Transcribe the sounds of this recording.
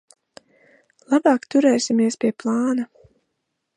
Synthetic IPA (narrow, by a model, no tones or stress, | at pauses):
lˠabɑːkt̪uɾɛːsimiɛspʲiɛplˠɑːna